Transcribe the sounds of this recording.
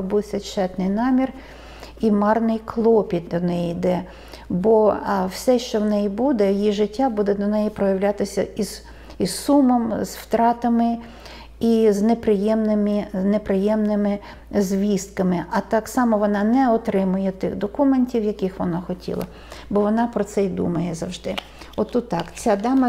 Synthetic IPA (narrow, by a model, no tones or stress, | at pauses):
buwsʲɐt͡ʃɛt̪nɪjnɑmʲir | imɑrnɪjklˠɔpʲit̪̚d̪ɔnɛjiːd̪ɛ | bɔwsʲɛʃt͡ʃɔwnɛjibud̪ɛjjiʒɪtʲːabud̪ɛd̪ɔnɛjipɾɔjɐwlʲat̪ɪsʲɐiz | issumɔmz̥wt̪ɾɑt̪ɐmɪ | iznepɾɪjɛmnɪminepɾɪjɛmnɪmɪ | zʲʋʲist̪kɐmɪɐt̪ɑksɑmɔʋɔnɑnɛɔt̪ɾɪmʊjɛt̪ɪɣd̪ɔkumenʲtʲiwjɐkɪxʋɔnɑxɔtʲʰḭlˠɐ̰ | bɔʋɔnɑpɾɔt̪sɛid̪ṵmɐjɛzɐwʒd̪ɪ | ɔt̪ːut̪ːɑkt͡sʲad̪ɑmɐ